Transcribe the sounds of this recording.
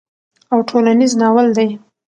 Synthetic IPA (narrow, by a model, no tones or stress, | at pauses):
awʈʰolaniznɑwəld̪aj